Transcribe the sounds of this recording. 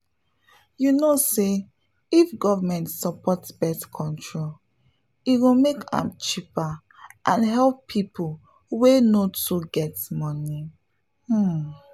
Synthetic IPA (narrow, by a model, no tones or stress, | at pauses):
junose | ifɡɔvamɛ̃ntsɔpʰɔtsbɛtkʰɔ̃ntʰɹol | iwimekʰã̰mt͡ʃipa | ʔãnɦɛlpːʰipʰu | wenotuɡɛtmɔni | h̩